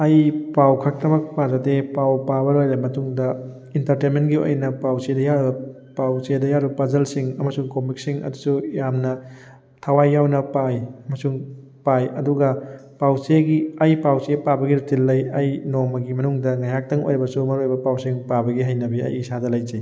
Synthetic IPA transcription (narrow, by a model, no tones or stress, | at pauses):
ɐjpawkʰɐk̚tɐmɐk̚pazɐtepawpabɐɾojlɐmɐtuŋdɐ | intɐɾtenmentɡio̰jnɐpawsedɐjaɾbɐ | pawsedɐjaɾibɐpɐzɐlsiŋɐmɐsuŋkomik̚siŋɐ̰dusujamnɐ | tʰɐwajːawnɐpajɐmɐsuŋ | pajɐduɡɐpawseɡiɐjpawsepabɐɡiɾutilːɐjɐjnomɐɡimɐnuŋdɐŋajɦak̚tɐŋo̰jɾibɐsumɐɾoɾbɐpawsiŋpabɐɡiɦajnɐbiɐ̰jisadɐlajd͡ʒej